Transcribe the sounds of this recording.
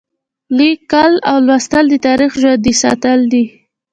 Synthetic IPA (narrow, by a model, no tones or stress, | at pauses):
likːalawlwast̪əld̪ət̪ɑɾixʒwad̪isɑ̰t̪əld̪i